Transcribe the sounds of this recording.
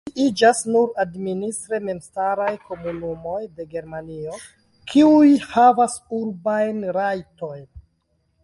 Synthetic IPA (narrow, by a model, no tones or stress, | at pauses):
iʔid͡ʒasnuɾadministɾe̞me̞mstaɾajko̞munumo̞jde̞ɡe̞ɾmanio̞ | kʰiujhavasuɾbajnɾajto̞jn